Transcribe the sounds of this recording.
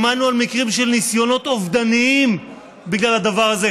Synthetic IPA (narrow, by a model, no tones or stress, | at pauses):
manualmikʁimʃelnisjo̞no̞t̪ovd̪aniim | biɡlalad̪avaʁaze